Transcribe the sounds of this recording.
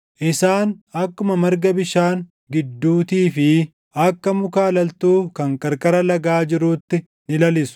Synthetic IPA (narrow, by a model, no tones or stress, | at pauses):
ʔɪsaːnɐkːʊmɐmɐɾɡɐbɪʃaːŋ | ɡɪd̪ːuːt̪iːfɪ | ɐkːɐmʊkaːlɐlt̪uːkɐŋkʼɐɾkʼɐɾɐlɐɡaːd͡ʒɪɾuːt̪ːɪ | nɪlɐlɪsʊ̥